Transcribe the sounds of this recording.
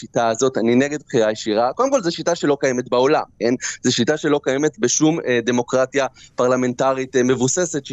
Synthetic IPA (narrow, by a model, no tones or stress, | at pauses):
ʃitaːzo̞tanineɡe̞d̪̚bχiʁajeʃiʁako̞dmko̞lzeʃitaʃelo̞kajemetbao̞lamkenzeʃitaʃelo̞kajemetbeʃumde̞mo̞kʁatjapaʁlame̞ntaʁitme̞vuse̞se̞t